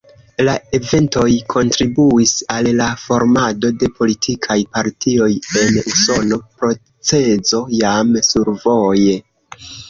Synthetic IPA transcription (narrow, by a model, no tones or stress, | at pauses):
lae̞ve̞nto̞jkʰo̞ntɾibuisalːafo̞ɾmado̞de̞pʰo̞litʰikʰajpaɾtʰio̞je̞nuso̞no̞pɾo̞ | t͡se̞zo̞jamsuɾvo̞je